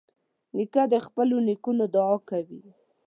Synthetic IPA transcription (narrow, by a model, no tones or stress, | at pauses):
nikad̪əxpəlonikunod̪ʊɑkawi